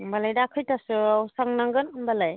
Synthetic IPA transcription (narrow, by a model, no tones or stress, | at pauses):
mbalajdaːkʰɯjtasɯawsaŋnaŋɡɯnmbalaj